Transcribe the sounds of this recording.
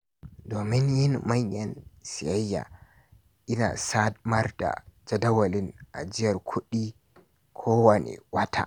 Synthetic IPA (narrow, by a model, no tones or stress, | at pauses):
dɔmɛnjinmaɲːansiajːa̰ | ʔina̰sadmaɾda̰d͡ʒadawalinʔad͡ʒijaɾkʰoɗi | kʰɔwanḭwatʰa̰